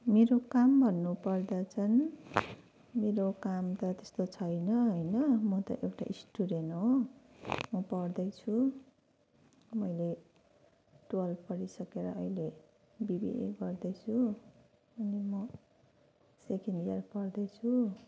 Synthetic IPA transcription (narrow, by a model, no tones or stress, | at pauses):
meɾokambʱʌnːupʌrd̪ʌt͡sʰʌn | meɾokamt̪ʌt̪est̪ot͡sʰʌjnʌɦʌjnʌmʌt̪ʌ̰ʔewʈa̰ʔisʈuɾenɦo | mʌpʌrd̪ʌjt͡sʰu | mʌjle | ʈolpʌɾisʌkeɾʌ̰ʔʌjle | bibḭʔḛɡʌrd̪ʌt͡sʰu | ʌnimʌ | sekenɖijarpʌrd̪ʌjt͡sʰu